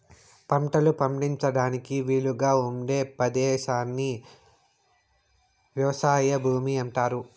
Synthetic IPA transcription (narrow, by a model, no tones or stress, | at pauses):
pɐmʈɐlupɐmʈiɲt͡ʃɐɽaːnikiʋiːɭuɡaːumɖeːpɐd̪ɛːʃaːnːi | ʋjɐʋɐsaːjɐbʱuːmiɐɳʈaːɾu